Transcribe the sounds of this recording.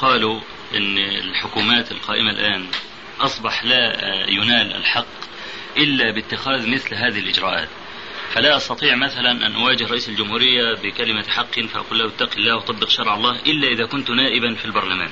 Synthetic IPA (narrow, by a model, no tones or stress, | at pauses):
qɑːlu | ʔɪnːɪlħʊkuːmaːt̪ɪlqɑːʔɪmalʔaːn | ʔɑsˤbɑħlajʊnaːlʔa̰lħɑqː | ʔɪlːabɪt̪ːɪxaːðmɪθlɦaːðɪhɪlʔɪd͡ʒɾˤɑːʔa̰ːt̪ | falaʔɑst̪ɑt̪ˤiːʕmaθalanʔa̰nʔawaːd͡ʒɪhɾˤɑʔiːsald͡ʒʊmhuːɾɪjːabɪkalɪmaħɑqːɪnfaʔa̰quːlːahʔɪt̪ːaqilːaːhwʔɑt̪ˤɑbːɪqʃɑɾˤʕɑlˤːɑːhʔɪlːaʔɪðakʊnt̪naːʔɪbanfilbɑɾˤlama̰ːn